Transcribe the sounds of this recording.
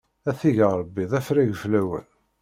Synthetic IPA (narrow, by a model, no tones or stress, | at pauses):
æθiʝəɾˤəbːiðˤæfɾæʝəflæwə̰n